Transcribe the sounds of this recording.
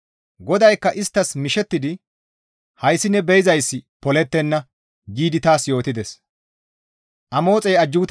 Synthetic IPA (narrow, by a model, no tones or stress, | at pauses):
ɡɔd̪ɐjkːɐʔɪst̪ːɐsmɪʃɛt̪ːɪd̪ɪ | hɐjsɪnːɛbɛjɪzɐjsːɪpɔlɛt̪ːɛnːɐ | ɡiːd̪ɪt̪aːsjo̞ːt̪ɪd̪ɛs | ʔɐmo̞ːt͡sʼɛjɐd͡ʒːuːt̪